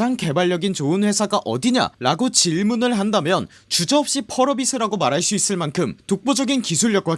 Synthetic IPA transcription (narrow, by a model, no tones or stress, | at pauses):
aŋke̞baɭːjʌɡint͡ɕoɯnɸwe̞sʰaɡaʔʌ̰diɲa̰ɾaɡot͡ɕiɭmunɯɭɦandamjʌn | t͡ɕud͡ʑʌʌp̚ɕ͈ipʰʌɾʌbisʰɯɾaɡomaɾɦaɭs͈uis͈ɯɭmankʰɯmtok̚p͈od͡ʑʌɡinkisʰuɭjʌk̚wa